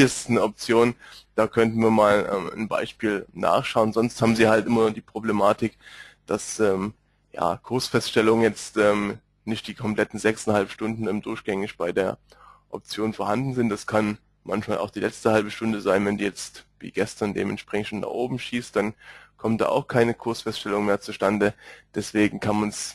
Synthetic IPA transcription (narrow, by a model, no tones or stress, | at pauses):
asɪsnəɔp̚t͡sjoːnd̥aːkʰœntn̩viːɐmaːlʔɛ̰ːmnba̰ɪʃpiːlna̰ːχʃaʊənzɔnsthaːbm̩ziːhaltʔɪmɐnd̥iːpʁ̥oblemaːtɪkd̥asʔɛːm | ja̰ːkʰʊɐsfɛstʃtɛlʊŋənjɛt͡stʔɛːm | nɪçt̚d̥iːkʰɔmpl̥ɛtn̩zɛksanhalpʃtʊndn̩ɛːmdʊɐçɡ̥ɛŋɪçb̥aɪdeːɐ | ʔɔ̰p̚t͡sjoːnfoɐhandn̩zɪntd̥askʰan | mançmaːlʔa̰ʊxd̥iːlɛt͡stəhalbəʃtʊndəzaɪnvɛndiːjɛt͡stvḭːɡ̥ɛstɐndḛːmʔɛntʃpʁ̥ɛɪçʃona̰χʔoːbm̩ʃiːst̚d̥ankʰɔmt̚d̥a̰ːʔa̰ʊxkʰaɪnəkʰʊɐsfɛstʃtɛlʊŋmeːɐt͡suʃtandəd̥ɛsv̥eːɡŋ̩kʰanmans